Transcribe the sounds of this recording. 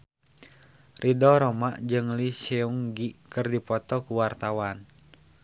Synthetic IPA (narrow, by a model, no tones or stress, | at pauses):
rʔidɔɾɔmaʔd͡ʒɨŋlisɛuŋɡikɨrdipɔt̪ɔkuwart̪awan